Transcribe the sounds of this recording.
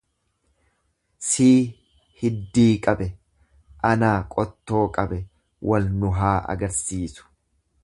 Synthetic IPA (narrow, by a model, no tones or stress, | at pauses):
siː | hɪd̪ːiːkʼɐbɛ | ʔɐnaːkʼɔt̪ːo̞ːkʼɐbɛ | wʔɐlnʊɦaːɐ̰ɡɐɾsiːsʊ̥